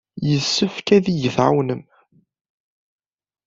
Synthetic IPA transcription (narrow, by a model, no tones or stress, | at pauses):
jəsːəfkæðijəθʕa̰wnəm